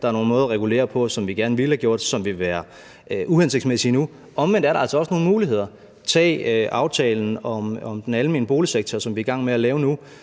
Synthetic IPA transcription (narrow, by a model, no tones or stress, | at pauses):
d̥ɑ̈æɐno̝ːn̩mɔːð̞ˠɐʁɛɡ̥ule̝̰ːɐpʰɒ̽sɒ̽mʋiɡ̥æɐnʋilhæɡ̥jo̝ɐ̰d̥sɒ̽mʋe̝ʋæːɐ | øʔuhense̝ɡ̥̚d̥smesinu | ɒ̽mʋen̰d̥æɐɾɑ̈æ̰lsɒɒ̽sno̝ːn̩muːliɦe̝ð̞̰ˠɐ | t͡sʰɛ̰ːʔɑ̈ʊt͡sʰɛ̰ːln̩ɒ̽mɒmd̥enæləme̝ːnəb̥o̝ːliseɡ̥̚t͡sʰɒsɒ̽mʋiɐɡ̥ɑ̈ŋ̰meælɛːʊnu